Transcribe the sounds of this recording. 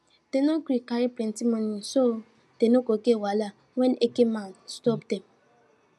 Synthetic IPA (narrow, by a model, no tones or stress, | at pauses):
tenokɾikaɾiplɛ̃ntimoniso | tenokokewala | wɛnʔekemanstɔpdɛm